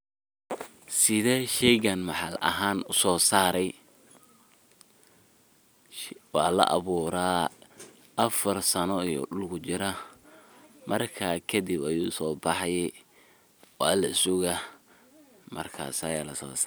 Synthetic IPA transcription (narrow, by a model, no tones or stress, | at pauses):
sɪðɛːʃɛjɣɐnmɑħɑlɐ̰ɦaːnʊsɔːsaːɾɛj | wɑːlɐ̰ʔɐ̰βuːɾaː | ʔɐfɐrsɐnɔijɔ̰ɗʊlkʰʊt͡ʃɪɾɐ | mɐrkʰaːkʰɐdibɐjuːsɔːbɑħɑjɛ | wɑːlɐɪsʊɣɐ | mʔɐ̰rkʰa̰ːsɐjaːlɐsɔ̰ːs